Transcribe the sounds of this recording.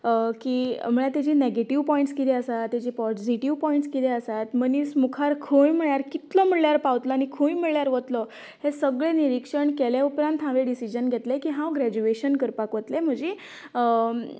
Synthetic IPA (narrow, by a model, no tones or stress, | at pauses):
kim̤əɭat̪jad͡ʑiːneɡeʈiʋpɔiɳʈskit̪ʰiəsat̪ːjad͡ʑiːpɔd͡ʑiʈiʋpɔiɳʈskit̪ʰeəsat̪mənismukʰaɾkʰojm̤əɭjaɾkit̪lɔm̤əɭɭjaɾpawt̪lɔañikʰojm̤əɭjaɾʋət̪lɔ | hesəɡɭeniɾikʂəɳkeljaupɾãnt̪ɦãʋeɖisid͡ʑənɡʱet̪lekiːɦãwɡɾæd͡ʑueɕənkəɾpakʋət̪lem̤əd͡ʑe